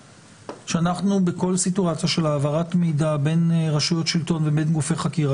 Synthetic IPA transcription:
ʃeanaχnubeko̞lsituat͡sjaʃe̞laːvaʁatmidabe̞nʁaʃujo̞tʃilto̞nvebenɡufe̞jχakiʁa

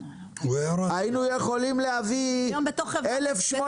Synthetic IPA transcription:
weɾainujeχo̞limlehavibet̪oχelefʃmo

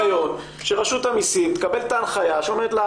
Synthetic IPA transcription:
jo̞t | ʃeʁaʃut̪amisimt̪e̥kabe̞lt̪aːnχajaʃeo̞meʁet̪la

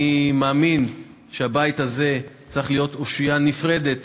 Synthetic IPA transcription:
maːmin | ʃeabajit̪haze̞ | t͡sʁiχlijo̞toʃijanifʁe̞de̞t

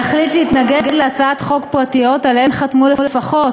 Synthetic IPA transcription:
aχlitlehitnaɡeɡedleat͡saatχo̞kpʁatijo̞talenχatmulelefaχo̞t

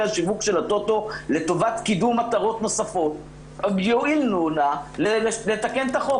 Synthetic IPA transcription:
aʃivukʃe̞lat̪o̞t̪o̞le̞t̪o̞vat̪kidumat̪aʁo̞t̪no̞safo̞t̪̚ | joʔilnunalelet̪ake̞nt̪aχo

